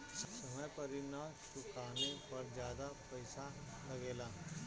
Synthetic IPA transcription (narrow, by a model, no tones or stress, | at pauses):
ssɐməjpɐɾɪnaːʃʊkaːnẽpɐɾd͡ʒjaːd̪apɛɪsa | lɐɡeːlaː